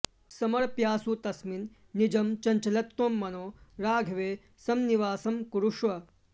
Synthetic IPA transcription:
sɐmɐɭpjaːsut̪ɐsminː | id͡ʒɐmt͡ʃɐɲt͡ʃɐlɐt̪ːoːmːɐnoːɾaːɡʱɐʋeː | sɐmniʋaːsɐmkuɾuʂʋɐ

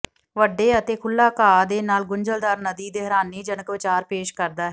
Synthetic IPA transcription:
ʋəɖeːət̪eːkʰʊlːaːkaːd̪eːnaːlɡʊɲd͡ʒəld̪aːɾnəd̪iːd̪eɦəɾaːniːd͡ʒənəkʋɪt͡ʃaːɾpeːʃkəɾd̪aːɦɛ

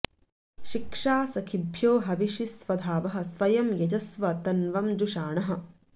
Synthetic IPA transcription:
ʃikʂaːsɐkʰibʱjoːɦɐʋiʃisʋɐd̪ʱaːʋɐɦɐ̆sʋɐjɐmjɐd͡ʒɐsʋɐt̪ɐnʋɐmd͡ʒuʃaːɳɐɦɐ̆

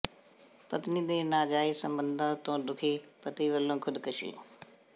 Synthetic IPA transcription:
pət̪nid̪eːnaːd͡ʒaːiːsə̃mbə̃nd̪ʱãt̪õːd̪ʊkʰiːpət̪iːʋəlːõːkʰʊd̪kəʃḭː

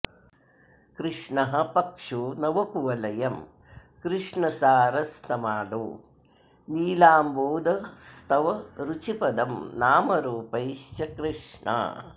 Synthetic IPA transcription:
kɾɪʂɳɐɦɐ̆pɐkʂunɐʋɐkuʋɐlɐjɐm | kɾɪʂɳɐsaːɾɐst̪ʰɐmaːloː | niːlaːmboːd̪ɐst̪ʰɐʋɐɾut͡ʃipɐd̪ɐmnaːmɐɾuːpɐjʃt͡ʃɐkɾiʂɳa̰ː

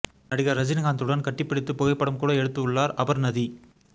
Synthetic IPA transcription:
nɐɽɪɣɐɾɐd͡ʒɪnɣaːnd̪ɯɽɐnkɐʈːɪpːɪɽɪt̪ːɯpɔːɣɐɪpːɐɽɐmkuːɽɐɛɽɯt̪ːɯɯɭːaːɾɐʋɐɾnɐði

